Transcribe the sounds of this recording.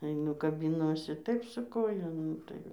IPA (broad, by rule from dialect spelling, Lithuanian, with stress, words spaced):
ɐɪˈnʊ kɐbʲɪˈnuɔsʲɪ ˈtɐɪp sʊ ˈkoːjɛ ˈnʊ tɐɪ